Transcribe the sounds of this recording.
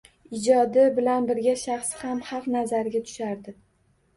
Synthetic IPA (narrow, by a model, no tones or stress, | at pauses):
ɪd͡ʒɒd̪ɪbɪlanbɪɾɡʲaʃaχshamhɑqnazaɾɡʲat̪ʰʊ̥ʃaɾd̪ɪ